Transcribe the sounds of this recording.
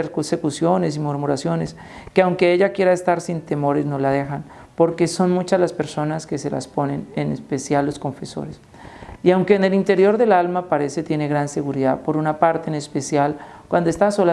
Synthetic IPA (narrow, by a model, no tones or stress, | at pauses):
eɾkuse̞kusjo̞ne̞s̬imuɾmuɾasjo̞ne̞s | keawŋke̞eʝakje̞ɾaest̪aɾsint̪e̞mo̞ɾe̞zno̞lað̞e̞xan | po̞ɾke̞so̞nmut͡ʃazlaspe̞ɾso̞naske̞se̞la̰spo̞ne̞nenḛspe̞sjalːo̞sko̞ɱfe̞so̞̰ɾes | iawŋke̞ːne̞lint̪e̞ɾjo̞ɾðe̞lalmapaɾe̞se̞t̪je̞ne̞ɣɾanse̞ɣuɾiðapo̞ɾunapaɾt̪e̞ːnespe̞sjal | kwand̪oest̪aso̞la